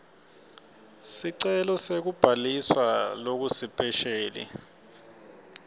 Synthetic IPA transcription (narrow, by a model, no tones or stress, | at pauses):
siǀɛlɔsek̬ub̥ʱaliswalok̬usipʼɛʃeːlḭ